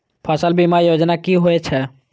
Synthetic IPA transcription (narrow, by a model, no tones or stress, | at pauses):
pʰasəlbimajod͡ʒnakiɦoɛt͡ʃʰɛ